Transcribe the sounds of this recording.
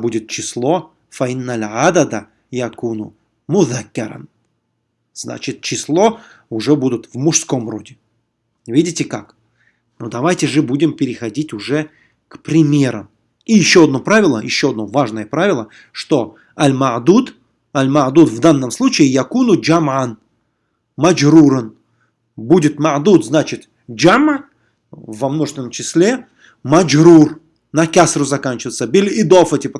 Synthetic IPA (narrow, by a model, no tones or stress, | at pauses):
budʲɪt̪̚t͡ɕɪslˠo̞ | fɐɪnːalʲʕad̪ɐd̪ɐ | jakunʊ̰ | mʊðakʲːɐɾɐ̰n | zna̰t͡ɕɪt̪̚t͡ɕɪslˠo̞ | ʊʐɛbud̪ʊt̪vmʊʂsko̞mro̞dʲɪ | vʲidʲɪtʲɪka̰k | nod̪ɐvajtʲɪʐɨbudʲɪmpʲɪɾʲɪxɐdʲitʲʊʐɛ | kpɾʲɪmʲe̞ɾə̰m | ijɪɕːoɐd̪̚no̞pɾavʲɪlˠəjɪɕːo̞ɐd̪no̞vaʐnəjəpɾavʲɪlˠə | ʂt̪o̞ | ɐlʲmɐd̪ud̪ | ɐlʲmɐʕd̪ut̪vd̪anːəmslˠut͡ɕɪːjɐkunʊd͡ʒamʕan | mɐd͡ʒɾuɾən | budʲɪt̪mɐʕd̪ut̪znat͡ɕɪt̪ | d͡ʒam | vɐmnoʐɨ̥snəmt͡ɕɪsʲlʲe̞ | mɐd͡ʒɾur | nɐkʲasrʊzɐkanʲt͡ɕɪvəjt̪səbʲilʲɪd̪ofɛtʲɪp